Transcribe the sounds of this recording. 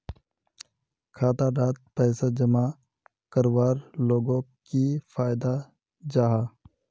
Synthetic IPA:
kʰaːt̪aɖaːt̪̚pɛːsad͡ʒəma | kəɾwaːɾloːɡõkifʰaːɪd̪a | d͡ʒaːɦaː

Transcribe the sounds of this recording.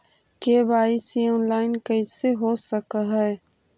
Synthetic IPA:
kebaːɪsjeɔːnlaːɪnkəɪseɦosəkɦɛː

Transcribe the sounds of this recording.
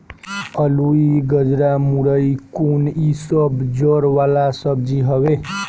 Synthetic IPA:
əluiɡəd͡ʒɾamuɾəikunisəbd͡ʒəɾʋalasəb̚d͡ʒiɦəwe

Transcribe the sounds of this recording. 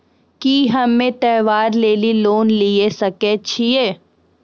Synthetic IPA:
kiɦɐmːẽt̪ɛːʋaːɾleːliloːnliesɐket͡ʃʰieː

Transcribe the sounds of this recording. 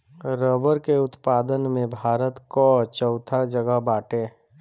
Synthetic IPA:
ɾəbəɾkeʊt̪paːd̪ənmẽbʱaːɾət̪kɔt͡ʃəʊt̪ʰad͡ʒəɡəɦbaːʈẽː

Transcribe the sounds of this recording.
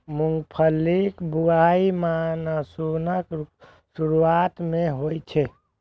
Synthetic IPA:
muŋɡpʰəlːikbuaimanəsunək | suɾuaːt̪mẽɦojt͡ʃʰɛ

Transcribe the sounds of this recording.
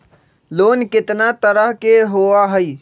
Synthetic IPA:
loːnkɪt̪nat̪əɾəɦkeɦoaɦəi

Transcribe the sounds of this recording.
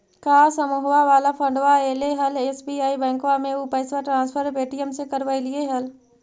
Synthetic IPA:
kaːsəmuɦwaʋaːlapʰə̃ɳɖʋaeːleɦɐleːsbiːaːibɛ̃ːŋkʋamẽupəɪsʋaʈɾãːnspʰəɾpeːʈijəmsekəɾʋəilɪeɦɐl

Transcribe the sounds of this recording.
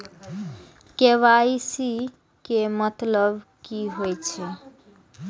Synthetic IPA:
keʋaisi | kemət̪ləbkiɦojt͡ʃʰɛ

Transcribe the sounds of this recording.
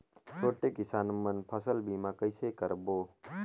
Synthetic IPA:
t͡ʃʰoːʈekɪsaːnmənpʰəsəlbiːmãkəɪsekəɾboː

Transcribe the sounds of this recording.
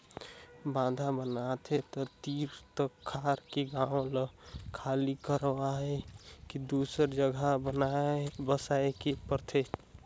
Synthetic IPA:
bãd̪ʱabənat̪ʰet̪ɔt̪iɾt̪ɔkʰːaɾkeɡãõləkʰalikəɾwaɦɛkid̪usəɾd͡ʒəɡʱabənaebəsaekepəɾt̪ʰe

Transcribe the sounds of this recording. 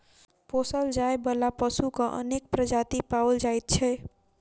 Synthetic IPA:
posəld͡ʒaebəlapəsukə̃ʔə̰nek̚pɾəd͡ʒat̪ipawld͡ʒajt̪̚t͡ʃʰɛ

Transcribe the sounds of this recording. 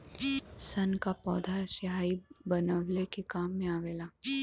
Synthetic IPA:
sɐnkapɔːd̪ʱasɪɦaːibənəʋlekekaːmːẽaːʋeːlaː

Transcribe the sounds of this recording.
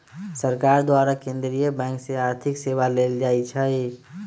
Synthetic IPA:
səɾkaɾd̪waɾakẽnd̪ɾiebɛ̃ŋkseaːɾt̪ʰɪksewaleld͡ʒait͡ʃʰəj

